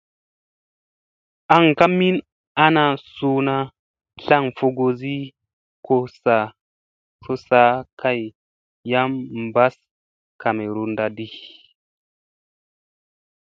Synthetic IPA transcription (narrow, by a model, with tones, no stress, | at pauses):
a˨ŋka˦mi˦n | a˦na˨su˦na˦ | ɬa˦ŋfo˧ɡo˨zi˦ | ko˧sa˨ | so˦sa˦kʰa˦jː | a˦mmba˦s | ka˨me˨ɾu˨nda˧di˦